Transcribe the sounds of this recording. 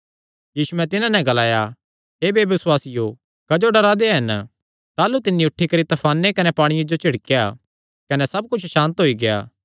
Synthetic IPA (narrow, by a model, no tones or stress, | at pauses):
jiːsuɛ̃t̪ɪnãnɛ̃ɡɐlaːja | eːbeʋɪswaːsɪjo | kɐd͡ʒoɖɐɾad̪eɦɐn | t̪aːlut̪ɪnːiʊʈʰːikɐɾit̪ɐpʰaːnːekɐnɛpaːɽ̃ɪjãd͡ʒot͡ʃɪɽkja | kɐnɛsɐb̚kʊt͡ʃʰʃãːnt̪ɦoiɡeja̰ː